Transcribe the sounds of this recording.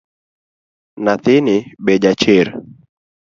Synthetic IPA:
naθiniɓɛʄat͡ʃiɾ

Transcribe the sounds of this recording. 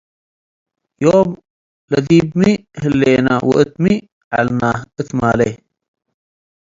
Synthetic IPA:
joːm | lɐd̪iːbmihɨlːeːna̰wə̰ʔɨt̪mi | ʕa̰lnaːhɨt̪maːle

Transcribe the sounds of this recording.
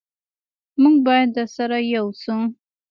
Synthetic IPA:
muŋɡbɑjad̪ːəsaɾajawsu

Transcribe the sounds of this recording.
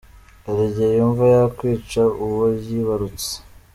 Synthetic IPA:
eɾeɟejuɱvajakwiːt͡ʃauwojiβaɾut͡se̥

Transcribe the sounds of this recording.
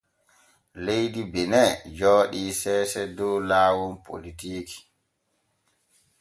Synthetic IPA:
lejdibɛnɛd͡ʒɔːɗiːsɛːsɛdɔwlaːwɔnpʰo̰litiːki̥

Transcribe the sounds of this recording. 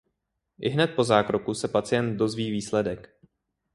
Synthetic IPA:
ʔɪɦnɛt̪̚po̞zaːkɾo̞kusɛpat͡sɪjɛnt̪̚do̞zviːviːslɛdɛk

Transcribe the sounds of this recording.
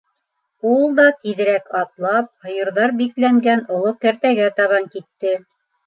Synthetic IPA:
ulˠd̪ɑk̪iðɘ̆ɾækɑt̪lˠɑp̚hɤ̆jɤ̆ɾðɑɾbiklæŋɡænŏlˠok̪æ̆ɾt̪æɡæt̪ɑβɑŋkit̪ːɘ

